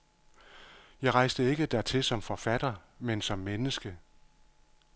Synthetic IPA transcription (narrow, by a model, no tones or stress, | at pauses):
jɑ̈ɪʁɑ̈ɪsd̥əe̝ɡ̥əd̥æɐt͡sʰe̝lsɒ̽mfɒ̽fæd̥ɐmensɒ̽mːenəsɡ̥ə